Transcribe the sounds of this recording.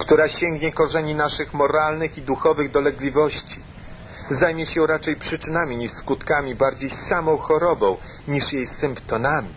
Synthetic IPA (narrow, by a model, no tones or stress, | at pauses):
kt̪uɾaɕɛŋɡɲɛkɔʐɛɲinaʂɘxmɔɾalnɘxid̪uxɔvɘɣd̪ɔlɛɡlʲivɔɕt͡ɕi̥ | zajmʲjɛɕɛɾat͡ʂɛjpʂɘt͡ʂɘnamʲiɲiʂskut̪kamʲibaɾd͡ʑejssamɔ̃w̃xɔɾɔbɔ̃w̃ | ɲiʂjejsɘmpt̪ɔnamʲi